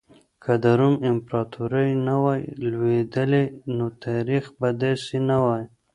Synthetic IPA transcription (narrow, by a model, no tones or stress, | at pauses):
kʰad̪aɾumɪmpɾɑt̪ʰuɾajnawɑjlwed̪əlenot̪ʰaɾixbad̪ɑsinawɑj